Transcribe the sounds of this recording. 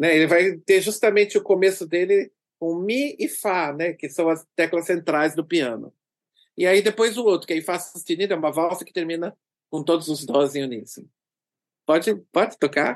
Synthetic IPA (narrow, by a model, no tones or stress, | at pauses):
nɛelɪvajt̪eɾʒust̪ɐmẽnt͡ʃɪʊkomesʊd̪elɪ | kõmiɪfanɛkɪsɐ̃w̃ɐst̪ɛklɐsẽnt̪ɾajzd̪ʊpiɐ̃nʊ̰ | ɪaid̪epojzʊowt̪ɾʊkɪejfasɐ̃st̪enĩd̪ʊɛũmɐvawsɐkɪt̪eɾmĩnɐ | kõt̪od̪ʊzʊzd̪ɔɪzẽunisɪ̃ | pɔd͡ʒɪpɔd͡ʒɪ̥t̪oka̰